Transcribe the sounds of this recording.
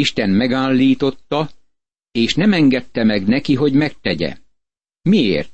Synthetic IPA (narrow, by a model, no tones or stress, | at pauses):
iʃt̪ɛnmɛɡaːlːiːt̪o̞t̪ːɒ | eːʃnɛmɛŋɡɛt̪ːɛmɛɡnɛkiɦo̞ɟmɛk̚t̪ɛɟɛ̰ | miḛːrt̪̚